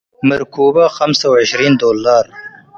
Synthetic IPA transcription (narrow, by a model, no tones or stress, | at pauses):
mɪɾkuːbaxamsawaʃɾiːnd̪oːlːɑːɾ